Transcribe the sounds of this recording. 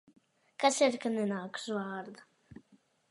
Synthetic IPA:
kasiɾkanɛnaːkzvaːɾd̪a

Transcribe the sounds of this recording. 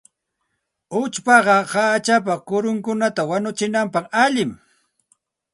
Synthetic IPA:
ʊt͡ʃpɑɢɑhaːt͡ʃap̬akʊɾʊŋkʊnat̪awanʊt͡ʃɪnampɑχaʎɪm

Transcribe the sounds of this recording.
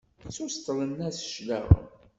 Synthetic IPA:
t͡sːust̪əlˤənːæsʃlæ̰ʁə̰m

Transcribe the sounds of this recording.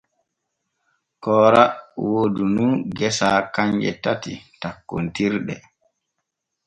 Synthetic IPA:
kɔːɾawoːdununɡɛsaːkaɲd͡ʒɛ̰tatḭtakːontiɾɗɛ̰

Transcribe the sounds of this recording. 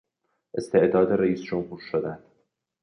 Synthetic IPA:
ʔe̞st̪ʰe̞ʔd̪ɒːd̪eɾeiːsd͡ʒomhuːɾʃod̪ænd̪̥

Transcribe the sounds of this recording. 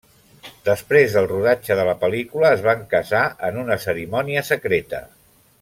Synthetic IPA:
d̪əspɾezðəlˠruðad͡ʒəðələpəlikuləːzβaŋkəzaʔənunəsəɾimɔniəsəkɾet̪ə̰

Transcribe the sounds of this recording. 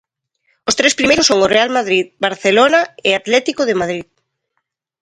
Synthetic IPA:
ost̪ɾespɾimejɾʊsːoŋorealmaðɾiðbaɾθelonaɪat̪lɛt̪ikoðɪmað̞ɾið

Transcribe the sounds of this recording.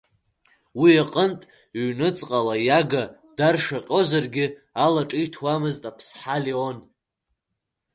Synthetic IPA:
wiaqʼəntʼ | ɥnɨt͡sʼqʼalajaɡa | d̥arʂaqʲʼo̞zarɡʲɪ | alaʈ͡ʂʼɨjtʰwamɨztʼapʰsħaleon

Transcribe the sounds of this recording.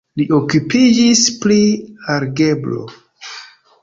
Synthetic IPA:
liʔokupid͡ʒispliaɾɡe̞blo̰

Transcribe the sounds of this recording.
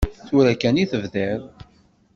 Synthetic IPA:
θuɾækæniθəvðæɾ

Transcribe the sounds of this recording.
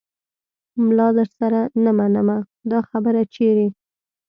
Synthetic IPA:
mlɑd̪əɾsaɾanamanəma | d̪ɑxabəɾat͡ʃeɾe

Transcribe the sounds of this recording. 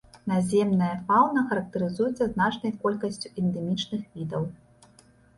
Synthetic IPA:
nazʲɛmnɐjɐfawnɐxɐɾɐk̚t̪ɐɾɨzujuɛt̪sːɐznat͡ʂnɐjkɔlʲkɐsʲt͡sʲuɛnd̪ɛmʲit͡ʂnɨxvʲid̪ɐw

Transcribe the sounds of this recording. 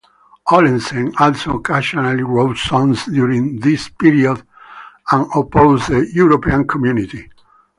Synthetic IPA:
ɔlĩnsɛ̃nɔlsoɔkʰaʃɔ̃naliɹoʊt̪sɔ̃nsd̪juɹĩŋðispiɹiɔd̪ | ãnɔpoʊzdəjuɾopiãnkʰɔmjunit̪i

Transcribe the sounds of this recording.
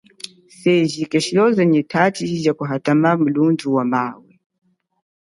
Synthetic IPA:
sɛʒikɛʃiɔzɛɲɛtʰatizakuɦatamam̩lunduwamawɛ

